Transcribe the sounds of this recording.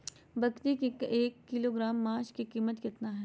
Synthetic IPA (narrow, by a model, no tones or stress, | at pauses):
bɐkt̪ikekeːkːɪloɡɾaːmːaːt͡ʃkikiːmət̪kɪt̪naɦɛː